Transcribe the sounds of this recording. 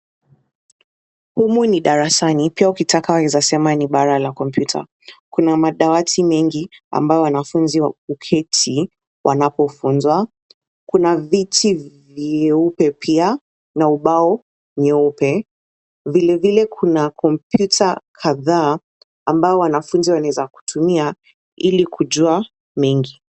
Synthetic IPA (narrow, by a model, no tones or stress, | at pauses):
humuniɗaɾasanipiaukitakawakizasɛmaniɓaɾalakɔmpjutʰa̰ | kunamaɗawatʰimɛŋɡia̰mbajɔwanafunziwaukʰɛtʰi | wʔanapɔfunzwa | kunavitʰiviɛupɛpʰia | nauɓaɔ | ɲɛupɛ | vilɛvilɛkʰunakʰɔmpjutʰakʰaðaː | mbaɔwanafunziwanaɛzaku̥tʰumia | ilikʰuʄua | mɛŋɡi